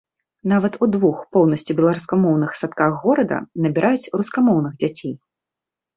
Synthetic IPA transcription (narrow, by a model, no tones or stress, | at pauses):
n̪avɐt̪ud̪vuxpɔwnɐsʲt͡sʲibʲɛlˠaɾuskamɔwnɨxsat̪̚kaxːɔɾɐd̪ɐ̰nɐbʲiɾʔajut͡sʲruskamɔwnɨɣd͡zʲat͡sʲej